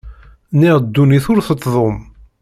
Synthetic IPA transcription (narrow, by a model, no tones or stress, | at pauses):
niʁd̪ːuniθʊɾθət̪ˤːðˤom